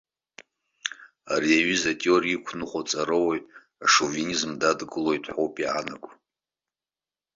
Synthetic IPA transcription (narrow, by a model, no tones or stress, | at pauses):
ariaɥizatʼiorikʷʰnɨχʷʼot͡sʼaɾɨwej | aʂovenizmdadɡɨlojtʷʼʰħowpʼiʕanakʷʼ